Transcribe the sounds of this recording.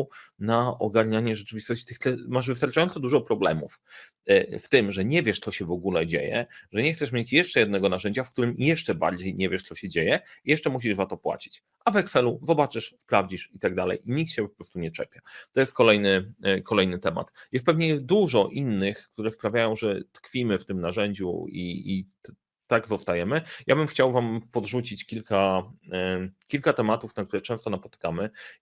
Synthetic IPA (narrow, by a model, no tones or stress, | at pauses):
naʔɔɡaɾɲaɲɛʐɛt͡ʂɘvʲist̪ɔɕt͡ɕit̪ɘxt̪ɛmaʐvɘst̪aɾt͡ʂajɔnt̪sɔd̪uʐɔpɾɔblɛ̰mṵf | ft̪ɘmʐɛɲɛvʲjɛʂt̪sɔɕɛvɔɡulɛd͡ʑḛjɛ̰ʐɛɲɛxt̪sɛʂ̬mʲjet͡ɕjɛʂt͡ʂɛjɛd̪nɛɡɔnaʐɛɲd͡ʑafkt̪uɾɘmjɛʂt͡ʂɛba̰ɾd͡ʑejɲɛvʲjɛʂt̪ɔɕɛd͡ʑejɛijɛʂt͡ʂɛmuɕ̬iʐzat̪ɔpwa̰t͡ɕi̥t͡ɕ | ʔavɛksɛluzɔbat͡ʂɘʂspɾavd͡ʑiʂit̪aɡd̪alɛ̰jiɲik̚t̪ɕɛpɔpɾɔst̪uɲɛt͡ʂɛ̰pʲjat̪ɔjɛst̪̚kɔlɛjnɘkɔlɛjnɘt̪ɛma̰t̪jɛst̪̚pɛvɲɛd̪uʐɔʔinːɘxkt̪uɾɛspɾavʲjajɔ̃w̃ʐɛt̪kfʲimɘft̪ɘmnaʐɛɲd͡ʑṵḭ | t̪aɡzɔst̪ajɛmɘjʔabɘmxt͡ɕawvampɔd̪ʐut͡ɕit͡ɕkʲilka | kʲilkat̪ɛmat̪ufnak̚t̪uɾɛt͡ʂɛ̃w̃st̪ɔnapɔ̥t̪ɘ̥kamɘ